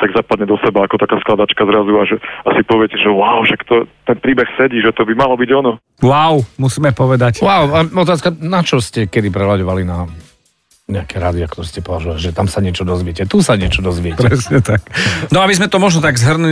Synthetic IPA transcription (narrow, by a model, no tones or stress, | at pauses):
t̪aɡzapad̪ɲɛd̪ɔsɛbaːkɔt̪akaːsklad̪at͡ʃkazɾazuaʒɛasipɔʋɪɛcɛʒɛwaʊʃakt̪ɔt̪ɛnpɾiːbɛxsɛɟiːʒɛt̪ɔbimalɔbiɟɔnɔ | wawmusiːmɛpɔʋɛd̪acwaʊaɔt̪aːskanat͡ʃɔscɛkɛd̪ipɾɛɦlaɟɔʋalina | ɲɛakɛɾaːd̪iak̚t̪ɔɾɛscɛpɔʋaʒuʋaliʒɛt̪amsaɲɪɛt͡ʃɔd̪ɔzʋɪɛcɛt̪usaɲɪɛt͡ʃɔd̪ɔzʋɪɛcɾɛsɲɛt̪aknɔabizmɛt̪ɔmɔʒnɔt̪aɡzɦr̩nu